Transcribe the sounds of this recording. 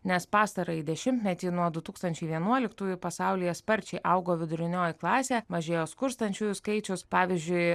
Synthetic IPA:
nʲɛspɑːst̪ɐɾɐid̪ʲɛʃʲɪmʲt̪ʲmʲɛt̪ʲiːnuɔd̪ʊt̪uːkst̪ɐnʲt͡ʃʲɛɪʋʲiɛnuɔlʲɪkt̪uːjʊpɐsɑʊlʲɪjɛspɐɾʲt͡ʃʲɛɪʔɐʊɡoːʋʲɪd̪ʊɾʲɪnʲoːjɪklˠɑːsʲeːmɐʒʲeːjoːskʊɾst̪ɐnʲt͡ʃʲuːjʊskɐɪt͡ʃʲʊspɑːʋʲizʲd͡ʒʲʊɪ

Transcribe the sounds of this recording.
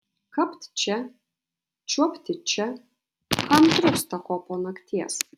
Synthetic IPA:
kɐpt̪ʲt͡ʃʲɛ | t͡ʃʲuɔpʲt̪ʲɪt͡ʃʲɛ | kɐmt̪ɾʊkst̪ɐkoːpoːnɐkt̪ʲiɛs

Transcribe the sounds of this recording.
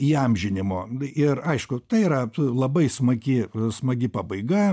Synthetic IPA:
iɐmʲʒʲɪnʲɪmoːɪrɐɪʃkʊt̪ɐɪiɾɐlˠɐbɐɪsmɐɡʲɪsmɐɡʲɪpɑbɐɪɡɐ

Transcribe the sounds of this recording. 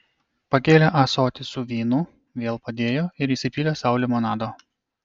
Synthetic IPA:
pɐkʲeːlʲɛʔɐsoːt̪ʲɪsʊʋʲiːnʊ | ʋʲeːlˠpɐd̪ʲeːjoːɪɾiːsʲɪpʲiːlʲoːsɑʊlʲɪmɔnɑːd̪oː

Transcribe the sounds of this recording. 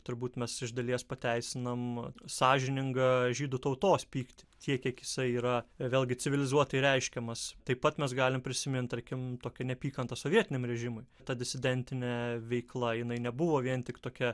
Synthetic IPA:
t̪ʊɾbuːt̪mʲɛsɪʒd̪ɐlʲiɛspɐt̪ʲæɪsʲɪnɐmsɑːʒʲɪnʲɪŋɡɐʒʲiːd̪ʊt̪ɐʊt̪oːspʲiːkt̪ʲɪ̥t̪ʲiɛkʲiɛkjɪsɐɪiːɾɐʋʲeːlʲɡʲɪt͡sʲɪʋʲɪlʲɪzuɔt̪ɐɪɾʲɛɪʃʲkʲɛmɐst̪ɐɪppɐt̪mʲɛsɡɑːlʲɪmpʲɾʲɪsʲɪmʲɪnt̪ɐɾʲkʲɪmt̪oːkʲɛnʲɛpʲiːkɐnt̪ɐsoːʋʲiɛt̪ʲɪnʲɛmɾʲɛʒʲɪmʊɪt̪ɐd̪ʲɪsʲɪd̪ʲɛnʲt̪ʲɪnʲɛʋʲɛɪklˠɐjɪnɐɪnʲɛbʊʋoːʋʲiɛnt̪ʲɪkt̪oːkʲɛ

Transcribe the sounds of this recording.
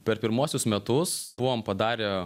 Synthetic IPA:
pʲɛɾpʲɪɾmuɔsʲʊsmʲɛt̪ʊsb̥ʊʋompɐd̪ɑːɾʲɛ

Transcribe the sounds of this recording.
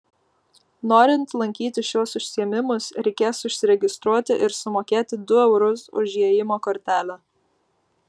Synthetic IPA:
noːɾʲɪnt̪lˠɐŋʲkʲiːt̪ʲɪʃuɔsʊʃʲsʲiɛmʲɪmʊsɾʲɛɪkʲeːsʊʃʲsʲɪɾʲɛɡʲɪst̪ɾuɔt̪ʲɪʔɪɾsʊmoːkʲeːt̪ʲɪd̪ʊɛʊɾʊsʊ̰ʒʲiɛjɪmoːkoːɾʲt̪ʲæːlʲɛ

